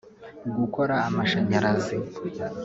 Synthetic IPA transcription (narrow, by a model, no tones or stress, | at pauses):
ɡuko̞ɾaːmaʃaɲaɾazi